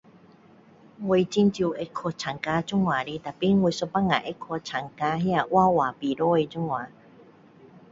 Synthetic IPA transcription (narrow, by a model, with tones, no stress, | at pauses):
ŋwi˧t͡ɕi˧nt͡ɕi˧e˧kʰo˧t͡ɕʰa˨˩ŋka˧t͡ɕu˥ŋwa˨ɾi˧t̪a˨˩pi˦ŋwu˧so˧pa˦ŋa̰˨ʔe˧˥kʰːo˧t͡ɕʰa˨˩ŋka˧ɦja˧˨ʔwa˥˧˨wa˨˩pi˨˩ɾo˦e˧t͡ɕu˦˥˦ŋwã˨˩˦